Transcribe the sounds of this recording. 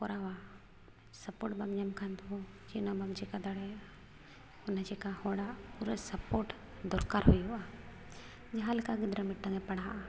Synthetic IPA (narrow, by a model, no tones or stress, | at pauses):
poɾʔaa | sɐpoːɾʈbɐmɲəmkʰand̪od͡ʒinobɐmd͡ʒekad̪aɽe | ʊnəd͡ʒekahoɽapuɾesɐpoːɾʈ | d̪ɔɾkaːɾɦʊjua | d͡ʒɐɦalkaɡɪd̪ɾəmɪʈːəŋepɐɽa